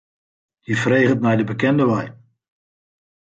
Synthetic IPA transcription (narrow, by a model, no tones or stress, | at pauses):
difreːɣətmɛjdəbəkɛndəʋaj